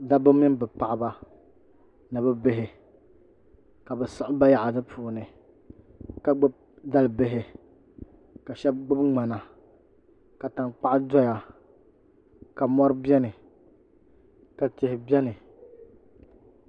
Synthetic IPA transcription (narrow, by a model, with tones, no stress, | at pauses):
da˦bʊ˦mi˦n˦bɛ˨pa˨ʔɪ˨ba˦ | nɨ˨bɛ˦be˦ɦɪ˨ | ka˨bɛ˨sʊ˦ʔʊ˦ba˦ja˨ʔa˨dɨ˦pʰuː˨nɨ˨ | ka˨ɡ͡bʊ˦b̚ | da˦lbe˦ɦɪ˦ | ka˨ʃɛ˦b̚ɡ͡bʊ˦bŋ͡ma˨na˨ | ka˨ta˨nk͡pa˦ʔdɔ˦ja˨ | ka˨mɔ˦ɾɨ˦bjɛ˦nɨ˨ | ka˨tɪ˨hɪ˨bɛ˦nɨ˨